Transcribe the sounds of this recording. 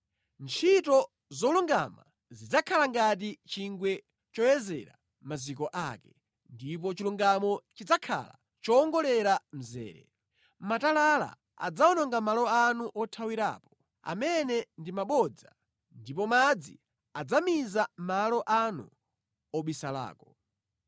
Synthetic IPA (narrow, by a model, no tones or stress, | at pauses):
nt͡ʃʰitɔ | zɔluŋɡama | zid͡zakʰalaŋɡat̬it͡ʃiŋɡwɛ | t͡ʃɔjɛzɛ̰ɾa̰ | mazikɔʔakɛ | ndip̬ɔt͡ʃiluŋɡamɔt͡ʃid͡zakʰa̰la̰ | t͡ʃɔːŋɡɔlɛɾam̩zɛ̰ːɾɛ̰ | matalala̰ | a̰d͡zaɔnɔŋɡamalɔanuʔɔtʰawiɾa̰ːpɔ̥ | a̰mɛnɛndimaɓɔd͡za | ndipɔmad͡zi | ad͡zamizamalɔʔanṵ | ɔɓisala̰ːkɔ